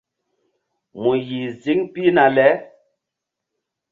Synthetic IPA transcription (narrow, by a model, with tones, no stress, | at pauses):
mu˨ji˨zi˦ŋpi˦na˨lɛ˨˦